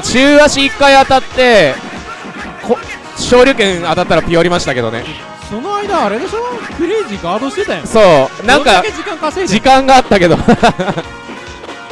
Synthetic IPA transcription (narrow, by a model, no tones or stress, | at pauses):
t͡ɕɨːaɕiːkːaiat̪at̪ːe̞ | kʰo | ɕo̞ːɾʲɨkẽ̞ɰ̃at̪at̪ːaɾapʲioɾʲimaɕi̥t̪ake̞d̪o̞̰nḛ | sonoaid̪aːɾed̪esonokɯɾed͡ʑiɡaːd̪oːɕet̪ãj̃so̞ːnãŋkaked͡ʑikãŋkased͡ʑikãŋɡaːt̪ːake̞d̪o̞